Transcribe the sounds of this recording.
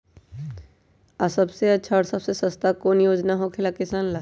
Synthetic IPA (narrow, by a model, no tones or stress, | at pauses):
asɐbseɐtːʃʰaɔːɾsɐbsesɐst̪akoːnjoːd͡ʒnaɦokʰɪlakɪsaːnla